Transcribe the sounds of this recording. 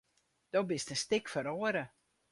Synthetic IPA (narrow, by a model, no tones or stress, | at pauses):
d̥obɪstənstɪkfɔɾoːəɾə